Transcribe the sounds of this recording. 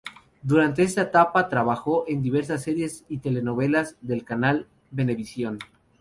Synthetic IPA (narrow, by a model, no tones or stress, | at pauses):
d̪uɾant̪e̞est̪aet̪apat̪ɾaβaxo̞ʔe̞nd̪iβe̞ɾs̬asːe̞ɾje̞sit̪e̞le̞no̞β̞e̞lazðe̞lkanal | be̞ne̞βisjo̞n